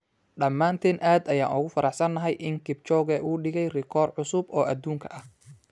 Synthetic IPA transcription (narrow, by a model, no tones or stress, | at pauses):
ɖɐmːaːnt̪ʰɛːnʔaːd̪ɐja̰ːnʔʊɣʊfɐɾɑħsɐnːɐɦɛjʔɪŋkʰɪb̚t͡ʃɔːɣɛʔuːɖɪɣɛjrɪkʰɔːrʕʊsʊbɔːʔɐd̪uːŋkʰɐʔɐh